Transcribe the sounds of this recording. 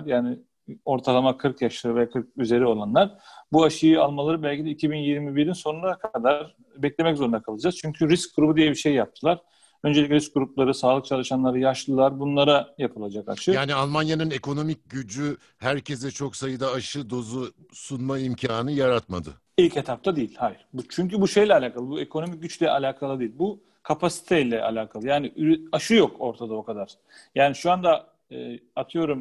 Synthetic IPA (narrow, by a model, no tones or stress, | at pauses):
ɾjaːnɪ | o̞ɾt̪ʰalˠamakʰɯɾkjaʃlˠɯvɛkʰɯɾk̚yze̞ɾio̞lˠanlˠaɾbuaʃɯjɯalˠmalˠaɾɯbɛlʲcʰid̪ɛicʰibinjiɾmibiɾdinso̞nunɾakʰad̪aɾ | bɛclʲemɛczo̞ɾund̪akʰapʰɯlˠad͡ʒaz̥t͡ʃʰyɲcʰyɾisc̚ɡuɾubud̪ijɛbiʃe̞jːap̚t̪ʰɯlˠaɾ̥ | ø̞nd͡ʒelʲicʲɾisc̚ɡuɾuplˠaɾɯsaːlˠɯk̚t͡ʃʰalˠɯʃanlˠaɾɯjaʃlˠɯlˠaɾbunlˠaɾajapʰɯlˠad͡ʒaka̰t͡ʃʰɯjaːnialˠmanjanɯne̞kʰo̞no̞mic̚ɟyd͡ʒy | hæɾcʰesɛt͡ʃʰo̞ksajɯd̪aːʃɯd̪o̞zu | sunmaimcʰaːnɯjaɾat̪mad̪ɯ̰ | ilʲchet̪ʰap̚t̪ʰad̪ejilʲhajiɾ̥but͡ʃʰyɲcybuʃe̞jlʲɛalʲaːkʰalˠɯbue̞kʰo̞no̞mic̚ɟyt͡ʃlʲɛʔalʲaːkʰalˠɯd̪ijilʲbu | kʰapʰasi̥t̪ʰɛilʲɛʔa̰lʲaːkʰalˠɯjaːnɪʔyɾaʃɯjo̞kʰo̞ɾt̪ʰad̪ao̞kʰad̪aɾ̥ | jaːniʃuand̪aː | at̪ʰɯjo̞ɾum